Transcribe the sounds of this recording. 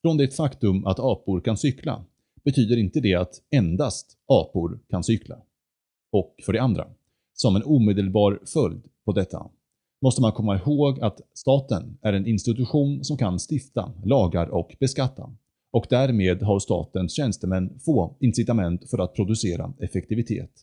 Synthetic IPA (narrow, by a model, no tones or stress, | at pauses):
fɾɔnd̪ɛt̪fakt̪ɵmʔa̰t̪ɑːpʊɾkʰansʏkʰla̰ | b̥ɛt̪ʰyːd̪əɾɪnt̪əd̪ɛat̪ɛnd̪ast̪ | ɑːpʊɾkʰansʏkʰla̰ | ɔkfœɖɛand̪ɾa̰ | sɔmɛnuːmeːd̪əlbɑːɾfœld̪pʰɔd̪ɛt̪ʰːa̰ | mɔst̪əmankʰɔmːaɪhoːɡat̪st̪ɑːt̪ənæɾɛnɪnst̪ɪt̪ɵɧuːnsɔmkʰanst̪ɪft̪a̰lɑːɡaɾʔɔkb̥ɛskat̪ʰːa̰ | ɔkd̪æɾmeːd̪ɦaɾʂt̪ɑ̰ːt̪ənsɕɛnst̪əmɛnːfoːɪnsɪt̪amɛnt̪fœɾat̪̚pʰɾʊd̪ɵseːɾa̰ɛfɛkt̪ɪvɪt̪ʰḛːt̪